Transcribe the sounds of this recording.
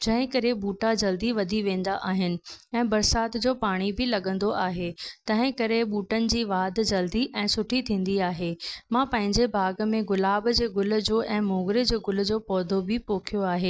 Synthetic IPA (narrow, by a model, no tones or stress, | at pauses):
d͡ʑɐ̃ɦɪ̃kɐɾeɓuːʈad͡ʑɐld̪iʋɐd̪ʱiʋẽːn̆d̪aʔaːɦɪnɪ̆ɛ̃ːbɐɾsaːt̪d͡ʑoːpaːɽ̃ibɪlɐɠə̃nd̪oʔaːɦet̪ɐ̃ɦɪ̃kɐɾeɓuːʈənɪ̆d͡ʑiːʋaːd̪d͡ʑɐld̪iʔɛ̃ːsʊʈʰit̪ʰĩːn̆d̪iaːɦeːmãːpɐ̃ɦɪ̃ɲd͡ʑebʱaːɡmẽɡʊlaːbd͡ʑeːɡʊlʊ̆d͡ʑoːʔɛ̃ːmoːɡɾed͡ʑeːɡʊl̆d͡ʑoːpɔːd̪ʱobʱɪpoːkʰijoaːɦeː